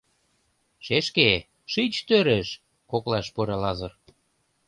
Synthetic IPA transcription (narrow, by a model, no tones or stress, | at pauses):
ʃeʃke | ʃit͡ɕt̪øɾeʃ | koklɑʃpuɾɑlɑzɤ̆r